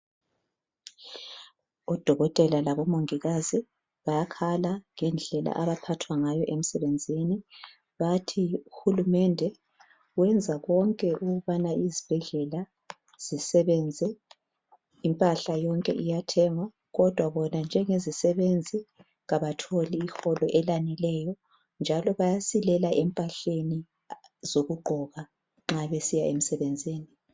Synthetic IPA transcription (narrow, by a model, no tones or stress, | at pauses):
ɔd̥ʱɔɣɔtʼɛlalaβɔmoŋiɣazi | βajakʰalaŋɛnd͡ɮʱɛla̰ʔaβapʰatʰwaŋajɔʔem̩sɛβend͡zʱini | βatʰiuxulumɛndʱɛ | wɛnd͡zʱaɣɔŋkʼɛʔuɣuβanaʔizib̥ʱɛɮɛla | z̥isɛβɛnd͡zʱɛ | mpʼaɬajɔŋkʼɛʔijatʰɛŋwa | ɣɔd̥ʱwaβɔnand͡ʒʱɛŋezisɛβend͡zʱi | ɣaβatʰoliːxɔlɔʔɛlanɛlɛjɔ | nd͡ʒʱalɔβajasilɛlaʔɛmpʼaɬeni | z̥oɣuɡ͡ǃʱɔβa | ŋ͡ǁaβesijaemisɛβɛnd͡zʱiːni